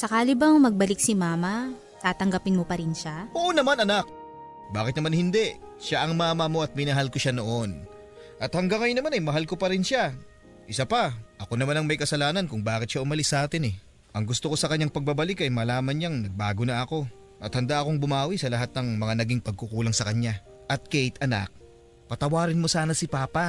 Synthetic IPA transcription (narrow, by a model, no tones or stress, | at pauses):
sɐkaːlɪbɐŋmɐɡ̚bɐlɪk̚sɪmaːmɐ | t̪aːt̪ɐŋɡɐpɪnmopɐɾɪnʃaʔoʔonɐmanɐnak̚ | baːkɪt̪nɐmanhɪnd̪ɛʔʃaʔɐŋmaːmɐmo̞ɐt̪̚mɪnɐɦalkoʃano̞ʔon | ʔɐt̪hɐŋɡaŋːɐjʊnːɐmanɐjmɐɦalko̞pɐɾɪnʃa | ʔɪsapɐʔɐko̞nɐmanɐŋmɐjkɐsɐlaːnɐnkʊŋbaːkɪt̪̚ʃaʔʊmɐlɪsːɐʔaːt̪ɪnɛ | ʔɐŋɡʊst̪oko̞sɐkɐɲɲaŋpɐɡ̚babɐlɪkɐjmɐlaːmɐnɲaŋnɐɡ̚baːɡo̞nɐʔɐko̞ | ʔɐt̪hɐnd̪aʔɐko̞ŋbʊmaːwisɐlɐɦat̪̚nɐŋmɐŋanɐɡiŋpɐɡ̚kʊkuːlɐŋsɐkɐɲːa | ʔɐt̪̚kɛjt̪ʔɐna̰k̚ | pɐt̪ɐwaːɾɪnmo̞saːnɐsipaːpa